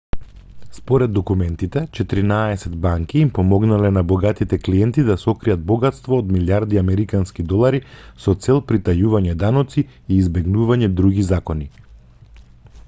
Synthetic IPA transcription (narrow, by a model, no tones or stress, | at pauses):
spɔɾɛd̪ːɔkumɛnt̪it̪ɛt͡ʃɛt̪iɾinaɛsɛd̪baŋkiːmpɔmɔɡnalɛnabɔɡat̪it̪ɛkliɛnt̪id̪asɔkɾijad̪̚bɔɡat̪st̪vɔːd̪miljaɾd̪iamɛɾikanskid̪ɔlˠaɾisɔt̪sɛlˠpɾit̪ajuvaɲɛd̪anɔt̪siiːzbɛɡnuvaɲɛd̪ɾuɡizakɔni